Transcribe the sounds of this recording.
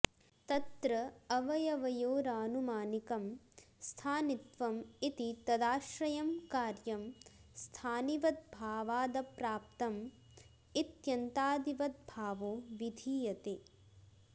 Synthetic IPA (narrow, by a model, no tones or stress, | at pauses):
t̪ɐt̪ɾɐɐʋɐjɐʋɐjoːɾaːnumaːnikɐmst̪ʰaːnit̪ʋɐmit̪it̪ɐd̪aːʃɾɐjɐmkaːɾjɐmst̪ʰaːniʋɐt̪̚bʱaːʋaːd̪ɐpɾaːp̚t̪ɐm | it̪jɐnt̪aːd̪iʋɐt̪̚bʱaːʋoːʋid̪ʱiːjɐt̪eː